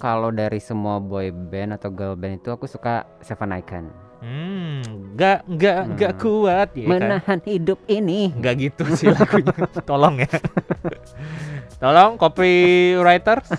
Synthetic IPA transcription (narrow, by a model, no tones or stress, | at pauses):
kalodaɾisəmuabɔjbɛnat̪awɡabɛnit̪uakusuka̰ | sefanaika̰n | m̩ | ŋɡaʔŋɡaʔŋɡaʔkuat̪̚jamənahanhidʊp̚iniŋɡaʔɡit̪usilaɡuɲat̪olɔŋja | t̪ɔlɔŋkopiɾajt̪ərs